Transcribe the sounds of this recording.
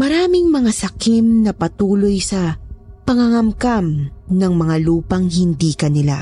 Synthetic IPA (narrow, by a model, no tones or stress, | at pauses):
mɐɾaːmɪŋmɐŋasɐkimnɐpɐt̪uːlo̞jsɐpɐŋɐŋɐmkamnɐŋmɐŋaluːpɐŋhɪnd̪iːkɐnɪla̰